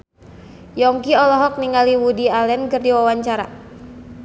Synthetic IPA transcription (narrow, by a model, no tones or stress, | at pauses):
jɔŋkiɔlɔɦɔk̚niŋaliwudialɛnkərdiwawaɲt͡ʃaɾa̰